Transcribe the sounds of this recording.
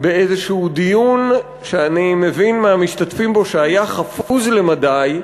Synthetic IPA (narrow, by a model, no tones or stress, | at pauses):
beezeʃuud̪ijun | ʃeanime̞vinmamiʃtatfimbo̞ʃeajaχafuzle̞madaj